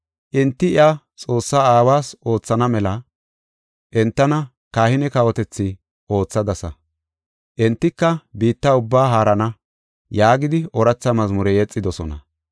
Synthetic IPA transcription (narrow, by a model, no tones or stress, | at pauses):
ʔɪnt̪ːɪɪʔa | t͡sʼo̞ːsːaaːwaːsʔo̞ːt͡sːɐnɐmɛlɐ | ʔɛnt̪ːɐnɐ | kaːhɪnɛkɐwɔt̪ɛt͡sːɪ | ʔo̞ːt͡sːɐd̪ɐsɐ | ʔɛnt̪ːɪkːɐbiːt̪ːɐʊbːaːɦaːɾɐnɐ | jaːɡɪd̪ɪʔɔɾɐt͡sːɐmɐzmʊɾɛjɛt͡sʼːɪd̪ɔsɔ̰nɐ̰